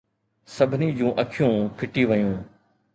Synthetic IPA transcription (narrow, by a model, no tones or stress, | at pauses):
sɐbʱɪnid͡ʑũːʔɐkʰɪjũːpʰɪʈiʋəjũː